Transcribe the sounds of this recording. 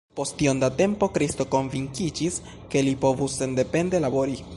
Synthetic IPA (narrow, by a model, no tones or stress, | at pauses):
po̞stiondate̞mpo̞kɾisto̞ko̞nviŋkid͡ʒis | ke̞lipo̞vuse̞nde̞pe̞nde̞labo̞ɾi